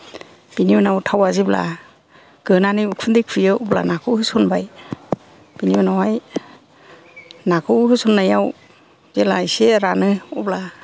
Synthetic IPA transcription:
b̥iniwɯnawtʰawazibla̰ | ɡ̥ɯnanɯjukʰundik̚ʰɯjɯɔbla̰nakʰɯwhɯsɔnbaj | b̥iniwanawaj | nakʰɯhɯsɔnːajaw | zelajseɾanɯɔbla

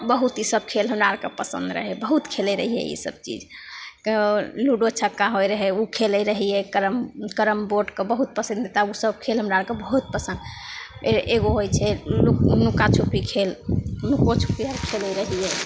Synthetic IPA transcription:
bəɦut̪isəb̚kʰelɦəmɾaɾkepəsə̰̃nd̪ɾə̰ɦɛbəɦut̪kʰelɛɾəɦijɛ̰ḭsə̰b̚t͡ʃḭd͡ʒkluɖot͡ʃʰəkːaɦojɾəɦɛukʰelɛɾəɦiɛkəɾəmkəɾəmboɖkebəɦut̪̚pəsəd̪et̪ausəbkʰelɦəmɾaɾkebəɦut̪̚pəsə̃nd̪eeɡoɦojt͡ʃʰɛunukat͡ʃʰupikʰelnukot͡ʃʰu̥piaɾkʰelɛɾəɦijɛ

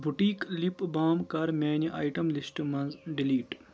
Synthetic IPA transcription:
bʱuʈiːklipbaːmkɐɾmʲeːniʔa̰ːjʈɐmlisʈɨmɐnzɖiliːʈ

